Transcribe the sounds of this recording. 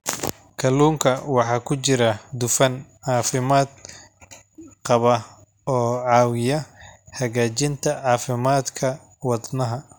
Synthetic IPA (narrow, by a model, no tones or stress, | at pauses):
kʰɐluːŋkʰɐwɑħɑːkʰʊt͡ʃɪɾɐd̪ʊfɐnʕɑːfɪmaːd̪ | qɑβɐ | ɔːʕɑːwɪjɐhɐɣaːt͡ʃɪnt̪ʰɐʕɑːfɪmaːd̪kʰɐ | wɑd̪nɐɦɐ